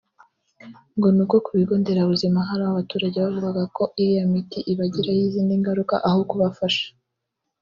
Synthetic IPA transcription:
ŋɡo̞nubɡokuβiɡo̞ːnde̞ɾaβuzimaɦaɾaaβatuːɾaɟeβavuɡaɡako̞ʔiijamitiʔiβaɟiɾahiziːndiŋɡaɾuka̰ʔahokuβafaʃḁ

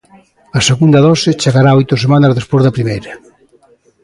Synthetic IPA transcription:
ɐseɣund̪ɐðɔsɪt͡ʃeɣaɾaɔjt̪osemanɐzðespozðɐpɾimejɾɐ

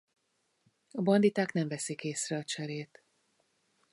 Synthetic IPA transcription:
ɒbɒnd̪it̪aːknɛɱvɛsikeːsrɛɒt͡ʃɛɾeːt̪

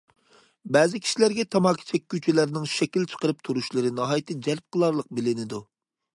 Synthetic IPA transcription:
bɛːzɪkʲʰi̥ʃilæɾɡʲɛt̪ʰɑmɑkʲʰi̥t͡ʃʰɛkʲːyt͡ʃʰɛlæɾnɪŋʃɛkʲilt͡ʃʰə̥qəɾɨp̚t̪ʰuɾuʃlˠɨɾɨnɑɦɑjt̪ʰɨd͡ʒæɾp̚qʰəlˠɑɾlˠəq̚bɪlɪnɪd̪u

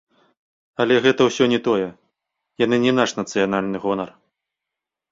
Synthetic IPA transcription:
ɐlʲɛɣɛt̪ɐwsʲɔnʲɛt̪ɔjɛ | janɨnʲɛnaʂnɐt̪sɨjan̪alʲnɨɣɔnɐr

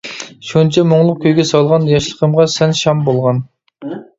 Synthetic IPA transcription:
ʃunt͡ʃʰɛmoŋlˠʊq̚kʲʰøjɡʲɛsɑlˠʁɑnjɑʃlˠəqʰəmʁɑsɛnʃɑmbolˠʁɑn

